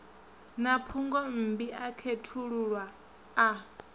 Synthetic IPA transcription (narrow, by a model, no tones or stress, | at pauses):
napʰuŋɡɔm̩biʔakʰetʰuɺuɺwaː